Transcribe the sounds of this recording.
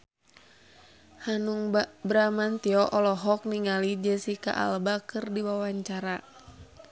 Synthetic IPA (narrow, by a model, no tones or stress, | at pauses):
hanuŋbɾamant̪iɔʔɔlɔɦɔk̚niŋalid͡ʒɛsika̰ʔa̰lbakɨrdiwawaɲt͡ʃaɾa